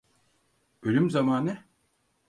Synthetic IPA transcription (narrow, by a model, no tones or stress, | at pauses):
ølʲymzamaːnɯ